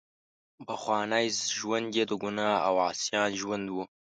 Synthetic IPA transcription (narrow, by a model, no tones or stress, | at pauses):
bəxʷɑːnaːjzʒwɐnd̪ʲeːd̪ɨɡunaːawaːsjaːnʒwɐnd̪bu